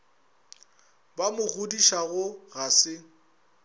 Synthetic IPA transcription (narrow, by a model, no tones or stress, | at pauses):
bamʊɣʊdiʃaɣʊɣasɪ